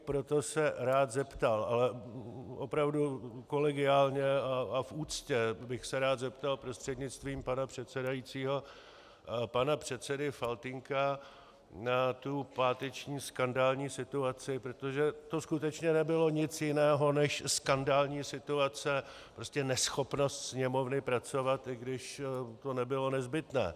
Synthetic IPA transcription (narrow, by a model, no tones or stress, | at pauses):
pɾo̞t̪o̞sɛɾaːt̪zɛpt̪alʔalɛʔo̞pɾavduko̞lɛɡɪaːlɲɛaafʔuːt͡scɛbɪxsɛɾaːt̪zɛpt̪alpɾo̞st̪r̥ɛd̪ɲɪt͡st̪viːmpanapr̝̥ɛt̪t͡sɛdajit͡siːɦo̞ | panapr̝̥ɛt̪t͡sɛdɪfalt̪ɪŋka | nat̪upaːt̪ɛt͡ʃɲiːskandaːlɲiːsɪt̪uat͡sɪpɾot̪o̞ʒɛt̪o̞skut̪ɛt͡ʃɲɛnɛbɪlo̞ɲɪt͡sjɪnɛːɦo̞nɛʃskandaːlɲiːsɪt̪uat͡sɛ | pɾo̞scɛnɛsxo̞pno̞st̪sɲɛmo̞vnɪpɾat͡so̞vat̪ɪɡdɪʃt̪o̞nɛbɪlo̞nɛzbɪt̪nɛ̰ː